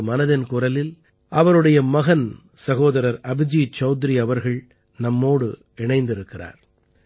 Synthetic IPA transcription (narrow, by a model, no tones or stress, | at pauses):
mɐnɐðɐnkʊrɐlɪl | ɐʋɐɾɯɽɐjɐmɐɣɐn | sɐɣoːðɐɾɐɾɐbɪd͡ʒit͡ʃɐʊt̪ɾiɐʋɐɾɣɐɭ | nɐmːoːɽɯ | ɛɳɐɪnd̪ɪɾɯkːɪra̰ːɾ